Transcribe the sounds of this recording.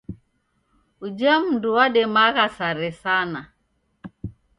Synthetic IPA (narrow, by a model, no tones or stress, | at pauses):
ud͡ʒam̩nduwaɗɛmaɣasaɾɛsana